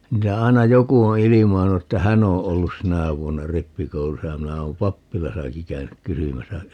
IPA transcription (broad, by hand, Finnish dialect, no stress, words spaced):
niːtæ ɑi̯nɑ joku o ilimɑinu etːæ hæn o olːus sinæˑ ʋuonːɑ ripːikoulusɑ jɑ minæ oːm pɑpːilɑsɑki kæynyk kysymæsæ